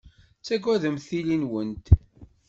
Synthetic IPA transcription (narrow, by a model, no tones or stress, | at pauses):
t͡sːæɡwæðəmθilinwənt̪